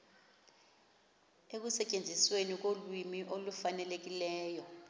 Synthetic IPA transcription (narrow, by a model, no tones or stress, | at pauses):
ek̬usɛcʼend͡zʱiswenik̬olwimiʔolufanɛlek̬ilɛːjɔ